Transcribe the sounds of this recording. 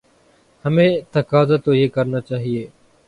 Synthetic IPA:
həmẽːt̪əkaːzaːt̪oːɦeːkəɾnaːt͡ʃaːɦieː

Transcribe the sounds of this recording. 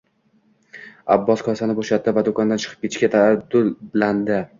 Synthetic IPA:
abːɒskʰɒsanɪboʃat̪ːɪvad̪okɒnd̪ant͡ʃʰɨ̥qʰɨ̥p̚kʲet͡ʃkʲat̪ʰad̪ʊlland̪ɪ

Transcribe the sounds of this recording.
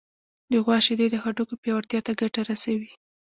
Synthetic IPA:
d̪eɣwɑʃed̪ed̪əxaʈokopjɑwaɾt̪jɑt̪aɡaʈaɾasawi

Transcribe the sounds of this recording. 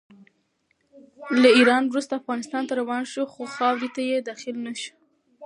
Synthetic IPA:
laiɾɑnwɾust̪aːfɣɑnɪst̪ɑnt̪aɾawɑnʃuxoxɑwɾit̪ajed̪ɑxɪlnaʃi̥

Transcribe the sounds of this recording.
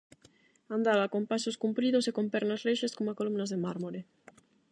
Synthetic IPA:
ãnd̪aβakompasoskumpɾiðosekompɛɾnasreʃeskomakolumnazðemaɾmoɾe

